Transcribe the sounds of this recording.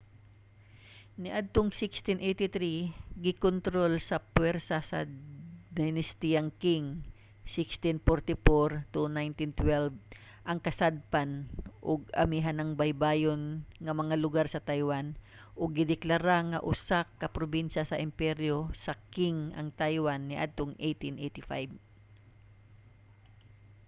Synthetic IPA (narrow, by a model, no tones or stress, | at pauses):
nɪʔad̪̚t̪oŋsɪkst̪ɪnʔejt̪ɪt̪ɾiɡɪkont̪ɾo̞lsɐpwɛɾsɐsɐ̰d̪jnɪst̪iaŋkɪŋ | sɪkst̪ɪnpoɾt̪ɪfoɾt̪unajnt̪ɪnt̪wɛlv | ʔɐŋkɐsad̪̚panʔʊɡ̚ɐ̰miɦanɐŋbajbaːjonŋɐmɐŋalʊɡaɾsɐt̪ajwan | ʔʊɡ̚ːɪd̪ɪklaɾaŋɐ̰ʔʊsakːɐpɾobinʃɐsɐʔɪmpɛɾjosɐkɪŋʔɐ̰ŋt̪ajwanːɪʔa̰d̪̚t̪oŋʔejt̪inʔejt̪ɪfajb